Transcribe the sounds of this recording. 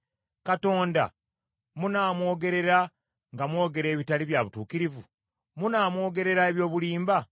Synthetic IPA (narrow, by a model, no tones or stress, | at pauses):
kato̞ːnda̰ | munaːmwo̞ːɡe̞ɾe̞ɾa | ŋɡamwo̞ːɡe̞ɾe̞ːβitaliβjaβutuːkiɾivu | munaːmwo̞ːɡe̞ɾe̞ɾaeβjo̞ːβuliːmba